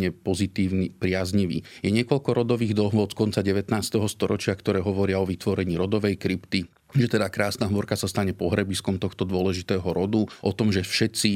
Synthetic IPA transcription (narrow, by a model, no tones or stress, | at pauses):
ɲɛpɔzit̪iːʊnipɾɪazɲiʋḭjɛɲɪɛkɔʎkɔɾɔd̪ɔʋiːɣd̪lɦɔt͡skɔnt͡saɟɛʋɛt̪naːst̪ɛɦɔst̪ɔɾɔt͡ʃɪakt̪ɔɾɛːɦɔʋɔɾɪaɔʋit̪ʋɔɾɛɲiːɾɔd̪ɔʋɛjkɾipt̪i | ʒɛt̪ɛd̪akɾaːsnaɦmɔɾkasast̪aɲɛpɔɦɾɛbiskɔmt̪ɔxt̪ɔd̪ʊɔlɛʒit̪ɛːɦɔɾɔd̪uʔɔt̪ɔmʒɛfʃɛt̪t͡si